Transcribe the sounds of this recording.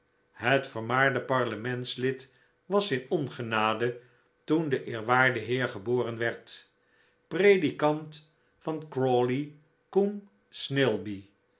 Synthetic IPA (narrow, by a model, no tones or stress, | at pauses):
ɦətfəɹmaːɹdəpɑɹləmɛntslɪt | ʋɑsɪnɔnχənaːdə | tundəʔɪːɹʋaːɹdəɦɪːɹχəboːrənʋɛɹt | prejdikɑnt | fɑnkroli | kum | snɪlˠbi